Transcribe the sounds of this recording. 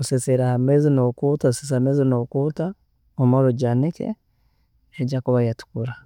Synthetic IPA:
useseɾahamezinokutaosesamezinokuta | omoɾuɟanikḛ | eɟakuβajatu̥kuɾa

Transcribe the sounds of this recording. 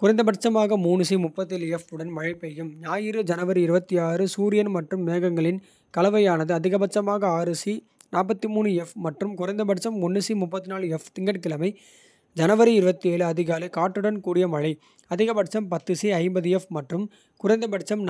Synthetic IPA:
kʊɾɐɪnd̪ɐbɐʈt͡ʃɐmaːɣɐmuːnɯsimʊpːɐt̪ːɪlɛfɯɽɐnmɐɻɐɪpːɛɣɯmɲaːjɪɾɯd͡ʒɐnɐʋɐɾɯɪɾɯbɐt̪ːiaːɾɯsuːɾɪjɐnmɐʈrɯmːeːɣɐŋɡɐɭɪn | kɐlɐʋɐjaːnɐðɯɐðɪɣɐbɐt͡ʃːɐmaːɣɐaːɾɯsi | naːp̬ːɐt̪ːɯmuːnɯɛfmɐʈrɯmkʊɾɐɪnd̪ɐbɐʈt͡ʃɐmɔnːɯsimʊpːɐt̪ːɯnaːɭɯɛft̪ɪŋɡɐʈkɪlɐmɐɪ | d͡ʒɐnɐʋɐɾɯɪɾɯbɐt̪ːieːlɯɐðɪɣaːlɐkaːʈːɯɽɐnkuːɽɪjɐmɐɻɐɪ | ɐðɪɣɐbɐʈt͡ʃɐmpɐt̪ːɯsiɐɪmbɐðɯɛfmɐʈrɯm | kʊrɐɪnd̪ɐbɐʈt͡ʃɐmn

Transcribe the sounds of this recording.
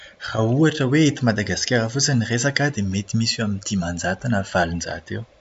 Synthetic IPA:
rauaʈ͡ʂəweet̪imad̪aɡaskʲaɾəfut͡səniresakad̪emet̪imisamint̪imand͡zat̪anəv̥alund͡ʒa̰t̪ew

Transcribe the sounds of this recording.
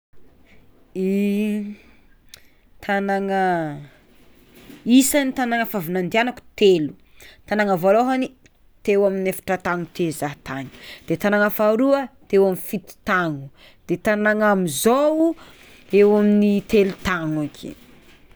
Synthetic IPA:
i | t̪ʰanaŋə | isanit̪anaŋəfavunand̪ianaku̥t̪elu | t̪anaŋəvoloɦani | t̪ewaminefḁʈ͡ʂət̪aŋut̪ʰezaɦt̪aɲi̥d̪̥et̪anaŋəfaɾuət̪ewamifit̪i̥t̪aŋu | d̪̥et̪anaŋamizou | ewaminit̪elut̪aŋakʰḭ

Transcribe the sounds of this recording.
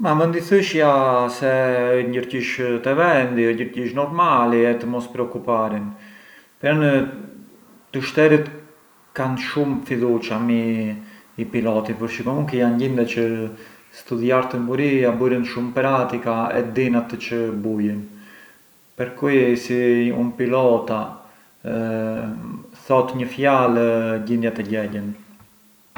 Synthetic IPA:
mamənd̪iθiʃjasɛəjɲɟəɾciʃt̪ɛvɛnd̪iəɟəɾciʃnɔɾmaliɛt̪əmɔspɾɛɔkupaɾin | pɾan | t̪əʃt̪ɛɾət̪ | kanʃumfiðut͡ʃamiː | pilɔt̪ipəɾʃikɔmuŋkɛjanɟind̪ɛt͡ʃə | st̪uðjaɾt̪əmbuɾiabuɾənʃumpɾat̪ikaɛ̰d̪inat̪t͡ʃəbujən | pɛɾkusiṵnpilɔt̪a | θɔt̪ɲəfjalɟind̪jat̪ɛɟɛlən

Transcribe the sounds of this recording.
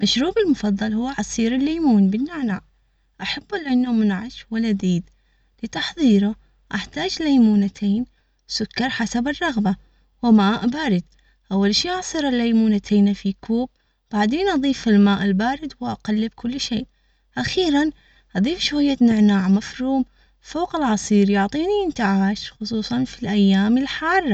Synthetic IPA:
maʃɾuːbɪlmʊfɑðˤːɑlhʊwːaʕɑsˤiːɾɪlːajmuːnbɪnːɪʕnaːʕ | ʔaħabːɪlʔɪnːamʊnʕaʃwɪlad̪iːd̪ | lɪt̪ɑħðˤiːɾʊ | ʔaħt̪aːd͡ʒlajmuːnat̪ʰeːn | sʊkːɑɾˤħasabɪrˤːɑɣba | wɪmaːʔbaːɾɪd̪ | ʔawːalʃiːʔaʕsˤɨɾˤɪlːajmuːnat̪ʰeːnfikʰuːb̚ | b̥aʕd̪eːnʔɑðˤiːfɪlmaːʔɪlbaːɾɪd̪wʔaqalːɪb̚kʰʊlːʃeːʔ | ʔaxiːɾan | ʔɑðˤiːfʃhʊjːat̪nɪʕnaːʕmafɾuːm | foːqɪlʕɑsˤiːɾjʊʕt̪ˤiːnijɪnt̪aʕaːʃxʊsˤuːsˤɑnfilʔajːaːmɪlħɑːrˤːɑ

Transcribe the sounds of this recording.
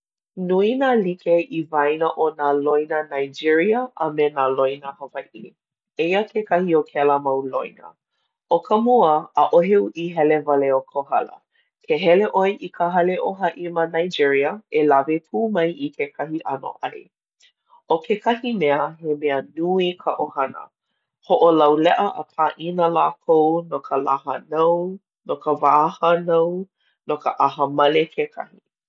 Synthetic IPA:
nuinalikʰeʔivajnəʔonalojnənajd͡ʒiɹiəʔɐmenalojnəhɐvaʔi | ejəkʰekɐhiokʰɛləmɐwlojnə̰ | okʰəmuəːʔoɦeuʔiɦɛlevɐleokʰohɐlə̰ | kʰeɦɛleʔoeʔikʰəɦɐleʔoɦaʔimənajd͡ʒiɹiəelavepʰuːmɐjʔikʰekʰɐhiʔɐno̰ʔɐɾḭ | okʰekʰɐhimɛəɦemeənuikʰəʔohɐnə̰ | hoʔolɐwlɛʔəʔəpʰaʔinəlakʰownokʰəlahənɐw | nokəvaːhənɐw | nokəʔaɦəmɐlekʰekʰɐ̰hi

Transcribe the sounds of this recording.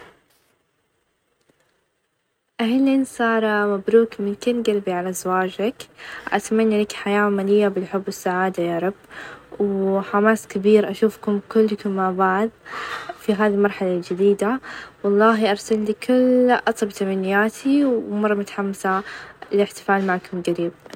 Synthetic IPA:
ʔaɦliːnsˤɑːɾˤmabɾuːkmɪnkɪnɡalbiʕalazwaːd͡ʒakʔa̰t̪manːalakħajaːamalɪjːabɪlħʊbːwɪsːaʕaːd̪ajaːɾˤɑbwħamaːskɪbiːɾʔaʃuːfkʊmkʊlːkʊmːabaʕd̪fiɦaːðilmɑɾˤħalald͡ʒɪd̪iːd̪awɑlˤːɑːɦiʔɑɾˤsalliːkʰʊlʔɑt̪ˤɑbt̪amanːɪjaːt̪ʰiwwmɑrˤːɑmʊt̪ḁħamːasalɪħt̪ɪ̥faːlmaʕkʊmɡaɾiːb̚

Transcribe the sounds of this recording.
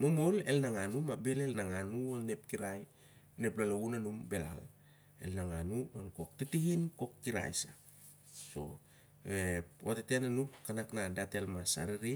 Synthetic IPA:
momo̞le̞̰lnaŋanumabe̞lelnaŋanuone̞p̚kiɾaj | ne̞plalounanumbe̞la̰l | e̞̰lnaŋanuonko̞k̚titihinko̞kːiɾa̰jsa | so̞̰ | ewatetenanupkanaknadate̞lmasa̰ɾiɾi

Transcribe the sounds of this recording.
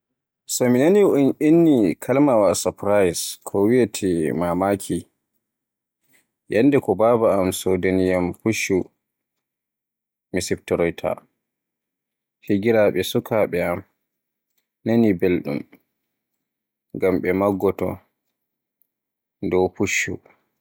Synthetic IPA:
sɔminaniuninːikʰalmawasapɾajskʰɔwijatʰimamakʰi | janːdɛkɔbabaːmsodanijampuʃu | misiptɔɾɔjtʰa̰ | hiɡiɾaɓɛsukaɓɛam | nanibelɗṵm | ŋɡamɓɛmaɡːɔtɔ̰ | dɔwpuʃːṵ

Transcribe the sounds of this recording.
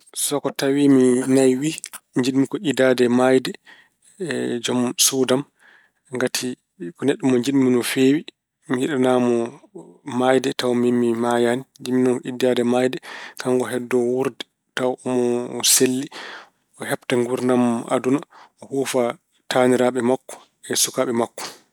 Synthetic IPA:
sɔkɔtawiminajwiɲd͡ʒiɗmikɔidadɛmajdɛ | d͡ʒɔmsudam | ŋɡatʰi | kɔneɗːumɔɲd͡ʒiɗminɔfeːwi | miiɗanamɔ | majdɛtawmimːimajaniɲd͡ʒiminɔnkɔidadɛmajdɛkaŋɡɔɦɛdːɔwuɾdɛ | tawɔmɔselːi | ɔhɛptaŋɡuɾnamʔa̰dunaɔhuːfa | taniɾaɓɛmakːɔ̥ | ɛsukaɓɛmakːɔ̥

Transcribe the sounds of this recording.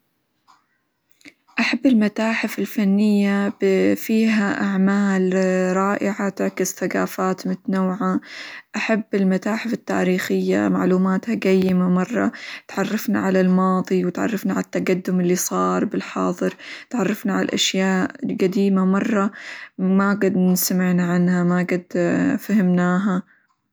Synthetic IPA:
ʔaħabːɪlmat̪aːħɪfɪlfanːɪjːabfiːɦaʔaʕmaːlɾˤɑːʔɪʕat̪ɪʕkɪsθaɡaːfaːt̪mʊt̪naːʕaʔaħabːɪlmat̪aːħɪfɪt̪ːa̰ːɾiːxɪjːa̰maʕluːmaːt̪haɡajːɪmamɑrˤːɑ̰t̪ʕɑrˤːɑfna̰ʕalalmɑːðˤiwɪt̪ʕɑ̰rˤːɑfnaʕalat̪ːaɡad̪ːʊmɪlːisˤɑːɾˤbɪlħɑːðˤɨɾt̪ʕɑrˤːɑfnaʕala̰lʔa̰ʃjaːʔɡad̪iːmamɑrˤːɑmaɡad̪nɪsamɪʕnaʕanhamaɡad̪fahɪmnaːɦa

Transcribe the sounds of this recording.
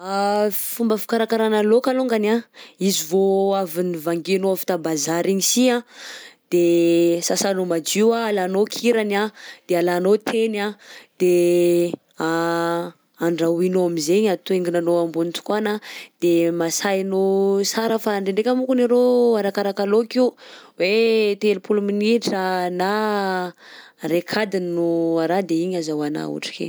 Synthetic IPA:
afumbəfi̥kaɾakaɾanalokaloŋɡanaizivoavinivaŋɡenoafi̥t̪abazaɾiɲisiad̪̥esasanomad͡ʒiwaalanokʰiɾanad̪̥ealanot̪ʰenad̪̥e | a | aɳɖ͡ʐawinoamizeɲat̪ueŋɡinanoambunit͡s̪u̥kanad̪̥emasajnosaɾəfaɳɖ͡ʐeɳɖ͡ʐekʲamukuneɾoaɾakaɾakalokiuwet̪elupuluminiʈ͡ʂəna | ɾekʰad̪innuaɾad̪eiɲazawana̰ṵʈ͡ʂi̥kḛ

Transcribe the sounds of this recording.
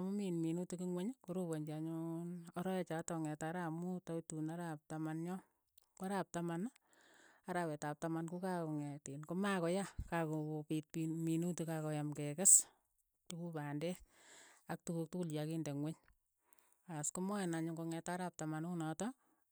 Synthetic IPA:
muminminutukiŋweɲkuɾoboɲd͡ʒaɲunɔɾɔet͡ʃatɔŋɛtaɾamutotunaɾap̚tamanɲɔ | kaɾap̚taman | aɾapetap̚tamankukakoŋɛtinkomakɔjakakoopit̚piminutukakɔjamkekɪs | tukupandɛ | ak̚tukuk̚tukuljakindeŋweɲ | askomɔɛnaɲuŋkoŋɛtaɾap̚tamanunɔtɔ

